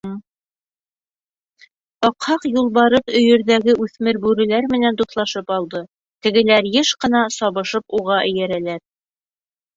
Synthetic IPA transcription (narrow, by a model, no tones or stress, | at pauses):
ɑqhɑqjulˠβɑɾɤqɵ̆jɵ̆ɾðæɡɘʔʉθmɘɾbʉɾɘ̆læɾmɘ̆nænt̪ut̪lˠɑʃɤpɑlˠd̪ɤ | t̪ɘ̆ɡɘ̆læɾjɘʃqɤ̆n̪ɑsɑβɤ̆ʃɤpuʁɑʔɘ̆jæɾælæɾ